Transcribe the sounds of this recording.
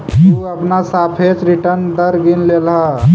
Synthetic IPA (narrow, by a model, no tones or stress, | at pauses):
t̪uəpnasaːpʰet͡ʃɾiʈəɾnd̪əɾɡinlelɦa